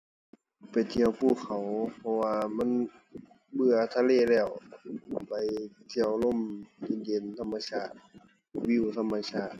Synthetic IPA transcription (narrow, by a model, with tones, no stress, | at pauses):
pa˨jt̪ʰi˧əwpʰuː˧˩˨kʰa˨˩wpʰɔ˧waː˧ma˧˥˨n | bɯ˧ɐt̪ʰaː˧˨leː˧˩˨lɛː˧˩w | pa˨˩jt̪ʰi˧˩əwlo˧˥˨mji˧˨njeː˨˦nt̪ʰa˧mːa˧sʰaː˧˩t̪̚ | wi˧˥˨wt̪ʰa˧˥˨mːa˧sʰaː˧˩t̪̚